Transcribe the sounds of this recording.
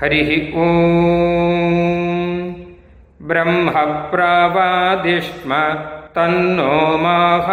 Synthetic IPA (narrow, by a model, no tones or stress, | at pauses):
ɦɐɾiɦiu | bɾɐmɦɐpɾaːʋaːd̪iʂmɐt̪ɐnːoːmaːɦɐ